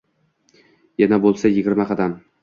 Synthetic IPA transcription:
janabolˠsajɪɡʲɪɾmaqʰɑd̪am

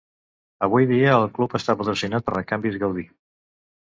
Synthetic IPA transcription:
əβ̞ujðiəːlˠklupəst̪apɾət̪ɾəsinat̪̚pəɾləkambizɣəwði

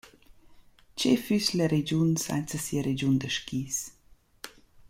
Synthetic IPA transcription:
t͡ʃefysləɾed͡ʒunsa̰nt͡səsiəɾed͡ʒund̪əʃkiːs

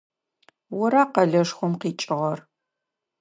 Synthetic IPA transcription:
wɔɾaːqɐɮɐʂχʷʊmqiːt͡ʃʼɪʁɐr

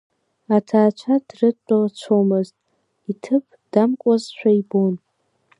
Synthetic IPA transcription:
atʰaːt͡ʃʷʰadrɨt͡ʃʷʼalt͡ʃʷʰomɨztʼ | itʰɨpʰd̥amkʷʼazʃʷᶣaibon

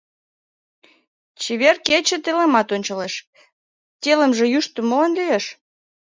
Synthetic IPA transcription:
t͡ɕeβerket͡ɕĕt̪elemɑt̪onʲt͡ɕɑleʃ | tʲelə̆mʒĕjyʃt̪əmolenlyjeʃ

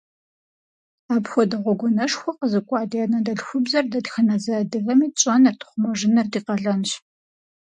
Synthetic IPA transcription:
aːpxʷɔdɐʁʷɔɡʷʊnɐʂxʷɔqəzɨkʷʼɑːdiɛnɐndɐɬxʷʊbzɐrdɐdxɐnɐzɐdɨɣɐmiːɕʼɐnɐrtʰχʷʊmɐʒɪnɐrdiːqɐɮɐnɕ

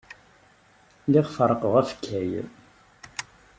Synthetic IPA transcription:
lɪʁfəɾˤəqəʁæfə̥kʰːæj

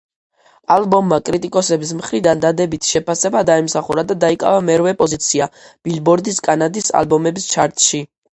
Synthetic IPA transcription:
alˠbɔmːakʼɾit̪ʼikʼɔsɛbis̬mχɾid̪and̪ad̪ɛbit̪ʰʃɛpʰasɛbad̪aɛmsaχuɾad̪ad̪aikʼa̰vamɛɾvɛpʼɔzit̪sʰiab̥ilbɔɾd̪iskʼanad̪isa̰lbɔmɛbist͡ʃʰaɾt̪ʼʃi

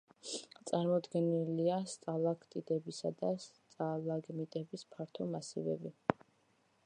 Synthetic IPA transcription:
t̪sʼaɾmɔd̪ɡɛniliast̪ʼalˠakʰt̪ʼid̪ɛbisad̪ast̪sʼalˠaɡmit̪ʼɛbispʰaɾt̪ʰɔmasḭvɛ̰bi

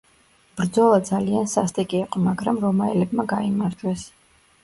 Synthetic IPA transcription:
b̥ɾd̪zɔlˠad̪zaliansast̪ʼɛkʼiːqʼɔmaɡɾamɾɔmaɛlɛbmaɡaimaɾd͡ʒwɛs

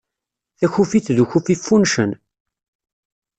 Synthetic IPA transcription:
θæçufiθðuçufifːunʃən

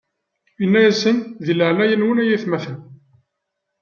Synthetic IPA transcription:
inːæjæsənðiləʕnæjənwənæjiθmæθən

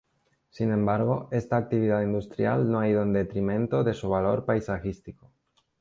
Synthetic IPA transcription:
sinẽ̞mbaɾɣ̞o̞est̪aːk̚t̪iβið̞aðind̪ust̪ɾja̰lnoaið̞oend̪e̞t̪ɾimẽ̞nt̪oðe̞suβ̞aloɾpajsaxist̪iko

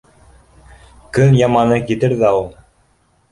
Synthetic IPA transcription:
kɵnjɑmɑnɤkɘ̆t̪ɘɾðæulˠ

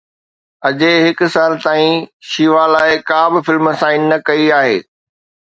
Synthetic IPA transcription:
ɐd͡ʑeɦɪkʊ̆saːlt̪aːĩʃiːʋalaːɪkaːbɪfɪlməsãːɪnːɐkɐiaːɦḛː

